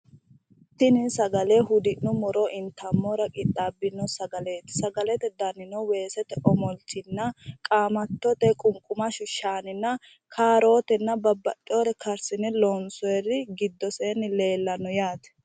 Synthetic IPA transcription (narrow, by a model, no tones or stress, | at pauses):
t̪ɪnɪnsɐɡɐleɦʊd̪ɪnːʊmɔɾoʔɪnt̪ɐmːɔɾɐkʼɪt̪ʼːaːbːɪnːɔsɐɡɐle̞ːt̪ɪ̥sɐɡɐlɛt̪ɛd̪ɐnɪnɔwe̞ːsɛt̪ɛʔɔmɔltɪnːɐkʼaːmɐt̪ːɔt̪ɛkʼʊŋkʼʊmɐʃʊʃaːnɪnːɐ | kʰaːɾo̞ːt̪ɛnːɐbɐbːɐt̪ʼːɪoːɾɛkʰɐɾsɪnɛlɔːnsɔɛrɪɡɪd̪ːɔseːnːɪle̞ːlːɐnɔjaːt̪ɛ̥